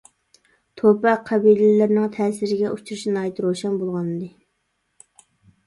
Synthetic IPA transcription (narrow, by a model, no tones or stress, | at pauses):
t̪ʰopɛqʰæbijlɪlɪɾnɪŋt̪ʰɛːsɪɾɪɡʲɛʔut͡ʃʰuɾuʃnɑːjɛt̪ɾoʃɛnbolˠʁɑnɨd̪ɨ